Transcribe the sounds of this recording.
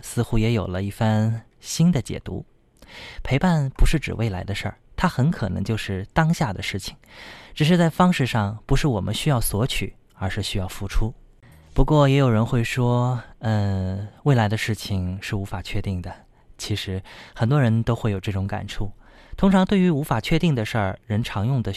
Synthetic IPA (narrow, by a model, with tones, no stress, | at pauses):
sɹ̩˥˧xu˥jɛ˧˥jo˨˩ʊlə˦i˥˩fa˥n | ɕi˥nd̪ə˨t͡ɕjɛ̰˨˩t̪ṵ˧˥ | pʰe˧˥ɪpa˥˩npu˧˥ʂɻ̩˥˩ʈ͡ʂɻ̩˨˩wʔe˥˩ɪla˧˥ɪd̪ə˧ʂə̰˥˩t̪ʰa˥xə˧˥nkʰɤ˨˩nɤ̰˧˥ŋt͡ɕjo˥˧ʊʂɻ̩˥˩t̪ɑ˥ŋɕja˥˩d̪ə˩ʂɻ̩˥˩t͡ɕʰi̥˨˩ŋʈ͡ʂɻ̩˨˩ʂ̬ɻ̩˥˧t͡sa˥˩ɪfɑ˥ŋʂɻ̩˥˧ʂɑ˥˩ŋpu˧˥ʂɻ̩˥˩wɔ˨˩mʔə̰˦nɕy˥jɑ˥˩ʊswɔ˧˥t͡ɕʰy̰˨˩˦ | ə˞˧˥ʂɻ̩˥˩ɕy˥jɑ˥˩ʊfu˥ʈ͡ʂʰu˥ | pu˧˥kwɔ˥˩jɛ˧˥jo˨˩ʊɻə˧˥nxwe˥˩ɪʂwɔ˥ə˥˧we˥˩ɪla˧˥ɪd̪ə˧ʂɻ̩˥˩t͡ɕʰi˨˩ŋʂɻ̩˥˩u˧˥fa˨˩t͡ɕʰɥɛ˥˧t̪i˥˩ŋd̪ə˩ | t͡ɕʰi˧˥ʂɻ̩˧˥xə˨˩nt̪wɔ˥ɻə˧˥nt̪o˥ʊxwe˥˩ɪjo˨˩ʈ͡ʂɤ˥˩ʈ͡ʂʊ˧˥ŋka̰˨˩nʈ͡ʂʰu˥˩ | t̪ʰʊ˥ŋʈ͡ʂʰɑ˧˥ŋt̪we˥˩ɪy˧˥u˧˥fa˨˩t͡ɕʰɥɛ˥˧t̪i˥˩ŋd̪ə˩ʂə˞˥˩ɻə˧˥nʈ͡ʂʰɑ˧˥ŋjʊ˥˩ŋd̪ə˩